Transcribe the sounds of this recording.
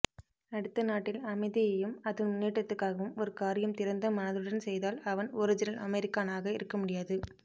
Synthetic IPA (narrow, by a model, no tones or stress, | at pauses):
ɐɽɯt̪ːɐnaːʈːɪlɐmɐɪðɪjɐjɯmɐðɯmnːeːʈːɐt̪ːɯkːaːɣɐʋɯmɔɾɯkaːɾɪjɐmt̪ɪɾɐnd̪ɐmɐnɐðɯɽɐnsɛjðaːlɐʋɐnɔɾɯd͡ʒɪnɐlʔɐmɛɾɪkːaːnaːɣɐɪɾɯkːɐmʊɽɪjaːðɯ